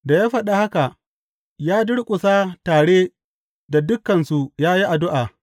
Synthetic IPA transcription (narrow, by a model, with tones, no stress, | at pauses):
da˨jaː˦ɸɐ˨ɗa˦ha˦ka˨ʔ | jaː˦dʊ˦ɽkʷʼʊ˨saː˦taː˨ɽeː˦ | da˨dʊ˦kːɐ˨nsu˨jaː˦ji˦ʔa˨dʊ˦ʔaː˨